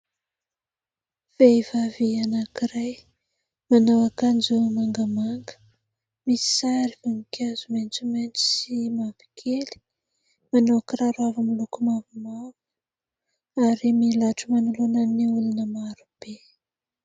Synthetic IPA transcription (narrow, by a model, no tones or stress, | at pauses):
v̥eivavianakiɾaj | manawakand͡ʒumaŋɡəmaŋɡə̥ | misi̥saɾivaŋikjazument͡sument͡si̥simavi̥kʰeli̥ | manowakiɾaɾavamilukumavimavu̥ | aɾimilaʈ͡ʂumanulunaniulunəmaɾub̥e